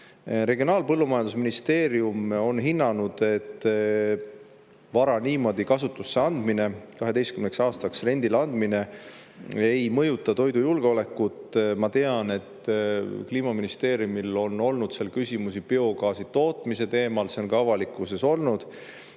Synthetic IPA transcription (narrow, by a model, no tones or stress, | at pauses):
ɾe̞ɡio̞nɑːlpɤlːumɑjɑnd̪usminist̪e̞ːɾiumo̞nɦinːɑnud̪̥e̞t̪ː | vɑɾɑniːmo̞d̪̥ikɑsut̪ːˑusːe̞ɑnd̪̥mine̞kɑɦe̞d̪e̞jst̪kymneksɑːst̪ɑksre̞nd̪̥ilɑnd̪̥mine̞ | ejmɤ̞jut̪ːˑɑt̪o̞jd̪ujulɡ̥eo̞le̞kːˑut̪ˑmɑt̪e̞ɑne̞t̪ːkliːmɑminist̪e̞ːɾjumilo̞nːo̞lnud̪selkysʲimus̬ipeo̞ɡɑːsit̪o̞ːt̪mise̞t̪e̞ːmɑlseonɡɑɑvɑlikːˑuse̞so̞lnud̪̥